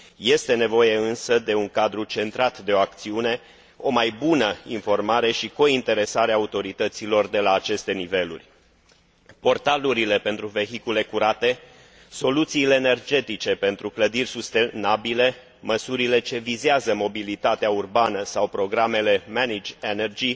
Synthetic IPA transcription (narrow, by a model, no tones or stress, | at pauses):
je̞st̪e̞nevo̞je̞ɨnsəd̪e̞uŋkad̪ɾut͡ʃe̞nt̪ɾat̪d̪e̞o̞ak̚t̪siune̞ | o̞majbunəinfo̞rmaɾe̞ʃiko̞int̪e̞ɾe̞saɾeaːut̪o̞ɾit̪ət̪silo̞rd̪e̞laːt͡ʃe̞st̪e̞nive̞lṵrʲ | po̞rt̪aluɾile̞pe̞nt̪ɾuve̞ɦikule̞kuɾat̪e̞ | so̞lut̪siːle̞ːne̞rd͡ʒe̞t̪it͡ʃe̞pe̞nt̪ɾukləd̪irʲsust̪enabile̞ | məsuɾile̞t͡ʃe̞vizeazəmo̞bilit̪at̪eaurbanəsawpɾo̞ɡɾame̞le̞manid͡ʒenerd͡ʒi